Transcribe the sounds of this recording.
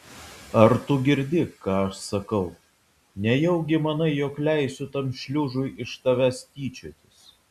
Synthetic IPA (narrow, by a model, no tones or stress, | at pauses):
ɐɾt̪ʊɡʲɪɾʲd̪ʲɪkɑːɐʃsɐkɐʊ | nʲɛjɛʊɡʲɪmɐnɐɪjoːklʲæˑɪsʲʊt̪ɐmʃʲlʲuːʒʊjʔɪʃt̪ɐʋʲæst̪ʲiːt͡ʃʲoːt̪ʲɪs